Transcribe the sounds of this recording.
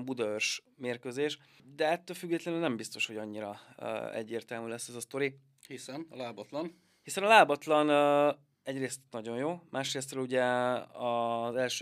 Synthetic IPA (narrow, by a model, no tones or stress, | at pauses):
mbud̪ɒørʃ | meːrkøzeːʃ | d̪ɛɛt̪ːøːlfyɡːɛːt̪lɛnylnɛmbist̪o̞ʃho̞ɟɒɲːiɾɒ̰ɛ̰ɟːeːrt̪ɛlmyːlɛsːɛzɒst̪o̞ɾi | hisɛnɒlaːbɒt̪lɒn | hisɛnɒlaːbɒt̪lɒn | ɛɟreːst̪nɒɟo̞jjoːmʔaːʃreːst̪rɛluɟɛɒzɛlʃ